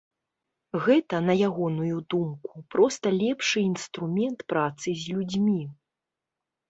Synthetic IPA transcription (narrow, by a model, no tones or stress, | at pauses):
ɣɛt̪ɐnɐjaɣɔnujud̪umkupɾɔst̪ɐlʲɛpʂɨinst̪ɾumʲɛnt̪pɾat̪sɨzʲlʲud͡zʲmʲi